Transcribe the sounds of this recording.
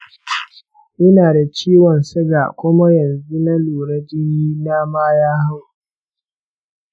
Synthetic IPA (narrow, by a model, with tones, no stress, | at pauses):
ʔɪ˦naː˨da˨t͡ʃiː˦wɔ˨nsɐ˦ɡa˨kʷʊ˦ma˦jɐ˨nzu˦na˦luː˨ɾɐ˦d͡ʒiː˦ji˦na˦maː˦jaː˦ha˦w